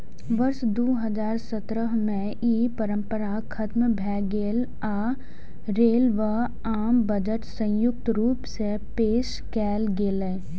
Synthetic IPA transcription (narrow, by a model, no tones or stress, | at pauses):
ʋɐɾʃd̪oːɦəzaːɾsət̪ɾəɦmẽ | iːpəɾə̃mpəɾakʰɐt̪mbʱɛːɡeːl | aː | ɾeːlʋə | aːmbəd͡ʒəʈsə̃jʊk̚t̪ɾuːpse | peːʃ | kɛːlɡeːle